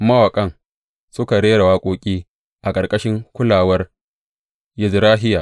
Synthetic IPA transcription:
mɐ˦wɐ˨kʼɐ˦ŋ | sʊ˦ka˨ɽeː˦ɽa˨waː˦kʷʼoː˦kʲʼiː˦ | ʔa˨kʼɐ˨rkʼɐ˦ʃɪ˦ŋkʷʊ˦laː˨wɐ˦r | jɪ˨zɾaː˦ɦɪ˦jaː˨

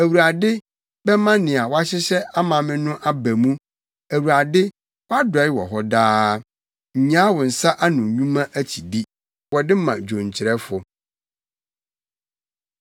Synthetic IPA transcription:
æ˨wu˨ɾa˨dɪ˦ | bɛ˦mã˦nɪ̃˨a˨wɔ˦a˦ɕɪ˦ɕɛ˦a˦mã˨mɪ̃˦nʊ̃˦ʔa˦bæ˨mũ˦ | æ˨wu˨ɾa˨dɪ˦ | wa˦dʊ˨ɛ˨ɪ˦wɔ̰˨ɦɔ˦daː˦ | ɲ̩˨ɲã˦wɔ˨n̩˨sa˦ʔa˦nʊ̃˨ɲũ˦mã˦ʔæ˦t͡ɕʰi˨di˦ | wɔ˨dɪ˦mã̰˨d͡ʑᶣõ˨ɲ˨t͡ɕʰɪ˨ɾɛ˦fʊ˨

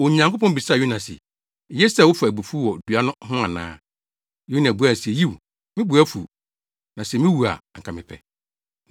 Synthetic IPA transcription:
o˨ɲã˨ŋko˦pɔ̃˦m˦bi˨sa˦˨ju˦nã˨sɛ̰˨ | jɛ˦sɛ˦˨wʊ˦fa˨æ˨bu˨fu˦wɔ˨dɥa˦nʊ̃˦ɦʊ̃˦a˨nã̰ː˦ | ju˦nã˨bu˨˦æ˦n̩˨sɛ˨ji˦˨w | mɪ̃˦bu˨æ˦fu˨ | nã˨sɛ˨mɪ̃˦wu˨a̰˨ŋ̩˨kʰa˨mɪ̰̃˨pʰɛ̰˨

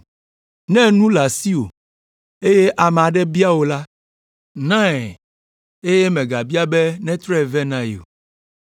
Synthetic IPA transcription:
nɛ̃˦nũ˦la˨si˦o̰˨ | e˦je˦ʔa˨m˨a˨ɖɛ˦bi˦a˦wo˨la˦ | nã˦ɛ˨ | e˦je˦mɛ̃˨ɡa˨bi˦a˦be˦nɛ̃˦t̪ɾɛ˦˨vɛ˦nã˦jo̰˨

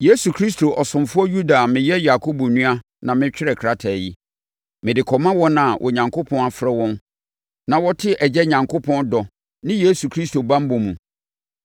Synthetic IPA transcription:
je˦su˨kʰɾi˦sto˨ʔɔ˨sʊ̃˨mfʊ˦ɔ˦ju˦da˨mɪ̃˨jɛ˦ja˨kʰo˦bo˨nũ˦a˦ | nã˨mɪ̃˦t͡ɕᶣɪ˦ɾɛ˨kʰɾa˦tʰa˨ji˦ | mɪ̃˨dɪ˨kʰɔ˨mã˦wɔ̃˦nã˨wʔɔ̰˨ɲã˨ŋkʰo˦pʰɔ̃˦na˨fɾɛ˦wɔ̃˦n | nã˨wɔ˦tʰɪ˦ʔɛ˨d͡ʑɛ˦ɲã˨ŋkʰo˦pʰɔ̃˦ndɔ˨ | nɪ̃˦je˦su˨kʰɾi˦sto˨bã˦m˦bõ˨mũ˨

